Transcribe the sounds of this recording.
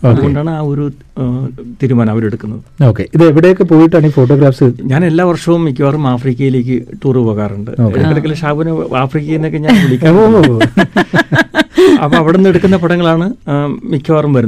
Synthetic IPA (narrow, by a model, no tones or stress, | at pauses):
oɐːðɨo̞ɳɖaːɳɨaːo̞ɾu | t̪iːɾumaːnɐʋɐɾe̞ɽukːunːɐðɨoːkːeʔiðɨeʋiɽejokːepoːjiʈːaːɳifo̞ːʈ̬ːo̞ːɡɾaːfsɨɲaːne̞lːaːʋɐrʂɐʋumːik̬ʰʲːɐʋaːrumaːfriːkʲːɐjile̞ːk̬ʲːɨʈuːrɨpo̞ːɣaːruɳɖɨ̰oḛɐkːɐlɐkːɐlːeʂaːbuneaːfriːkːɐjinːokːeɲaːnʋiɭikʲːaː | ɐpːoːɐʋiɽenːeɽukːunːɐpɐɽɐŋːɐɭaːɳɨmikʰːɐʋaːrumʋɐɾun